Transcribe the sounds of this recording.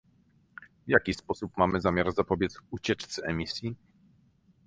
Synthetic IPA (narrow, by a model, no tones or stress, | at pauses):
vjakʲispɔsupmamɘzamʲjaɾzapɔbʲjɛt̪sut͡ɕɛt͡ʂt̪sɛɛmʲisʲji